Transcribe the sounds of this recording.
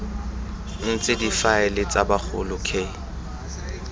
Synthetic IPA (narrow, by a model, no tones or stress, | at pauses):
n̩t͡sʼɪdifaɪlɪt͡sʼabak͡xʰʊ̰lʊkʰeː